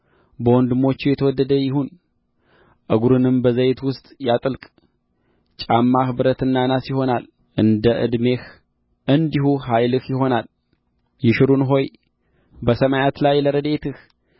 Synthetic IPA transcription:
bəwɔnd̪ɨmo̞t͡ʃːujɛt̪ʰəwɔd̪ːəd̪əjɪhun | ʔɨɡuɾɨnɨmbəzəjt̪wʊst̪ʼjat̪ʼɨlkʼ | t͡ʃʼamːahbɨɾət̪ɨnːanasjɪho̞nal | ʔɨnd̪əʔɨ̰d̪me̞h | ɨnd̪ihuɦajlɨhjɪɦo̞nal | jɪʃɨɾunɦo̞j | bəsəmajat̪lajləɾəd̪et̪ɨh

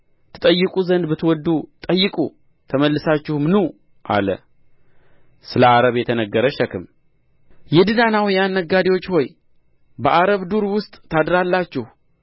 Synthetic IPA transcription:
t̪ʰɨ̥t̪ʼəjːɨkʼuzənd̪bɨt̪wɔd̪ːut̪ʼəjːɨkʼu | t̪ʰəməlːɨsat͡ʃːɪhmɨnu | ʔa̰lə̰ | sɨləaɾəβjɛt̪ʰənəɡːəɾəʃɛkɨm | jɛd̪ɨnanawjanːəɡad̪ewo̞t͡ʃːho̞j | bəʔaɾəβd̪uɾwʊst̪ʼt̪ʰad̪ɾalːat͡ʃːɪh

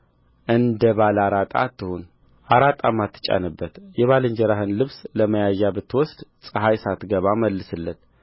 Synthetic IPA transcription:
ʔɨnd̪əβalaɾat̪ʼa̰t̪ːɨhun | ʔaɾat̪ʼamːat̪ːɨ̥t͡ʃʼa̰nɨbːət̪jɛβalɨɲd͡ʒəɾaɦɨnlɨβsləməjajːabət̪ʰːɨwɔsd̪sʼəɦajsat̪ɡəβaməlːɨsɨlːət̪

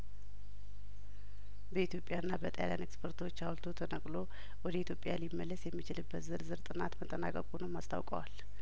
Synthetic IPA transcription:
bəit̪jo̞pʼːjanːabət̪ʼəjalja̰nekspʰəɾt̪ʰo̞t͡ʃːawlt̪ʰot̪ʰənəkʼlo̞ | wɔd̪əit̪ʰjo̞pʼjalimːəlːəsjɛmːit͡ʃɪlɨbːət̪zɨɾzɨɾt̪ʼɨnat̪mət̪ʼːəna̰kʼəkʼunəwmast̪ʰa̰wkʼə̰wal

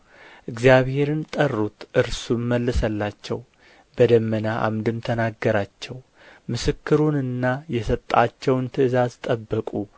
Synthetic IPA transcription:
ʔɨɡzijaβhe̞ɾɨnt̪ʼərːut̪ʔɨɾsuməlːɨsəlːat͡ʃːɛw | bəd̪əmːənaʔa̰md̪ɨmt̪ʰənaɡːəɾat͡ʃːɛw | mɨsɨkːɨɾunɨnːajɛsət̪ʼːat͡ʃːɛwnt̪ʰɨɨzazt̪ʼəbːəkʼu

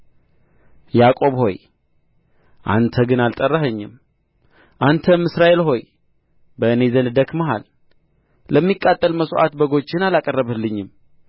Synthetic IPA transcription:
jakʼo̞βho̞̰j | ʔa̰nt̪ʰəɡɨnalt̪ʼərːəɦəɲːɪm | ʔant̪ʰəmɨsɾaʔe̞lho̞j | bənezənd̪əkməɦa̰l | ləmːikʼːat̪ʼːəlməsoʔa̰t̪bəɡo̞t͡ʃːɪnalakʼərːəβəlːɨɲːɪm

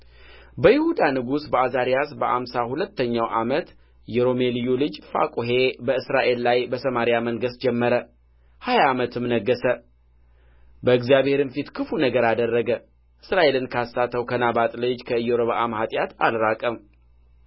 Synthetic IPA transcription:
bəjɪhud̪anɨɡusbəazaɾijasbəʔa̰msahulət̪ːəɲːawʔamət̪ | jɛɾo̞me̞lijolɨd͡ʒfa̰kʼoɦe̞bəɨsɾaʔe̞lːajbəsəmaɾijaməŋɡəsd͡ʒɛmːəɾə | hajaːmət̪ʰɨmnəɡːəsə | bəɨɡzijaβhe̞ɾɨnfit̪kʰɨfunəɡəɾad̪ərːəɡə | ʔɨsɾaʔe̞lɨnkʰasːat̪ʰːəwkʰənabat̪ʼlɨd͡ʒkʰəɨjoɾoβaʔamhat̪ʼjat̪a̰lɾakʼəm

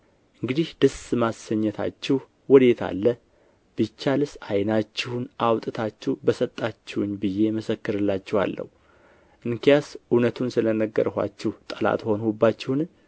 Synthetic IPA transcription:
ʔɨŋɡɨd̪ihd̪əsmasːəɲːət̪ʰa̰t͡ʃːɪh | wɔd̪e̞t̪ʰa̰lːə | b̥ɨt͡ʃːalɨsajnat͡ʃːɪhunʔawt̪ʼɨt̪ʰat͡ʃːɛbəsət̪ʼːat͡ʃːɪwʊnbɨjːe̞məsəkːɨɾɨlːat͡ʃːɛhwa̰lːə̰hu | ʔɨŋkijasʔunət̪ʰunsɨlənəɡːə̰ɾha̰t͡ʃːɛht̪ʼəla̰t̪ho̞nhubːat͡ʃːɪwn

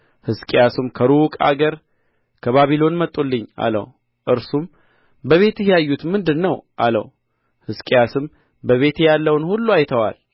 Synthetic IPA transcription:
hɨskʼejasumkʰəɾukʼa̰ɡəɾ | kʰəβaβilo̞nmət̪ʼːulːɨɲːa̰lə̰w | ʔɨɾsum | bəβe̞t̪ɪhjajːut̪mɨnd̪ɨnːəwʔalə̰w | hɨskʼjasɨm | bəβe̞t̪jalːəwnhulːuajt̪ʰəwa̰l

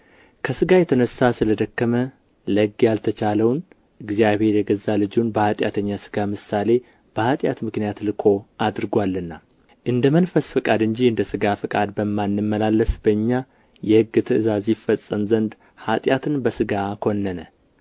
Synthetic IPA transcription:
kʰəsɨɡajɛt̪ʰənəsasɨləd̪əkːəmə | ləɡjalt̪ʰət͡ʃaləwn | ɨɡzijaβhe̞ɾjɛɡəzːalɨd͡ʒunbəhat̪ʼja̰t̪ʰəɲːasɨ̥ɡamɨsale̞ | b̥əhat̪ʼja̰t̪mɨknijat̪lɨkʰo̞ad̪ɾɨɡwalːɨnːa | ʔɨnd̪əmənfəsfɨkʼad̪ɨɲd͡ʒiɨnd̪əsɨɡafɨkʼad̪bəmːanːɨmːəlalːəsbəɨɲːa | jɛhɨɡːɨt̪ʰɨʔɨzazifːəsʼːəmzənd̪ | hat̪ʼjat̪ʰɨnbəsɨɡakʰo̞nːənə

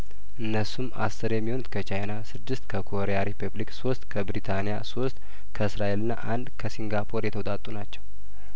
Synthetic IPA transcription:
ʔɨnːəsuma̰sːɨɾjɛmːiho̞nut̪kʰət͡ʃʰajnasɨd̪ːɨst̪kʰəkʰo̞ɾejaɾipʰublikso̞st̪ʼkʰəbɾit̪ʰanijaso̞st̪ʼ | kʰəɨsɾaʔelɨnːa̰ʔand̪kʰəsiŋɡapʰo̞ɾjɛt̪ʰəwt̪ʼat̪ʼunat͡ʃːɛw

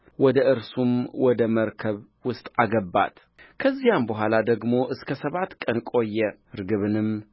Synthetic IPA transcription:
wɔd̪əʔɨɾsumwɔd̪əməɾkʰəβ | wʊst̪ʼaɡəbːa̰t̪ | kʰəzːijambəɦʷalad̪əɡmo̞ʔɨskʰəsəβat̪kʼənkʼo̞jːɛ | ɾɨɡɨβɨnɨm

